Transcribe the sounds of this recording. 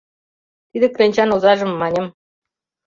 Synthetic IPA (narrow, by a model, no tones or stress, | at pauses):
t̪id̪ĕkɾenʲt͡ɕɑnuzɑʒə̆mːɑnʲɤ̆m